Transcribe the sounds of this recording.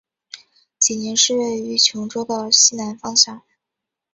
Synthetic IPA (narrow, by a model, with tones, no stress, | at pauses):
t͡ɕi˨˩njɛ˧˥nʂɻ̩˥˧we˥˩ɪy˧˥t͡ɕʰjʊ˧˥ŋʈ͡ʂo˥ʊd̪ə˧ɕi˥˩na˧˥nfɑ˥ŋɕjɑ˥˩˦ŋ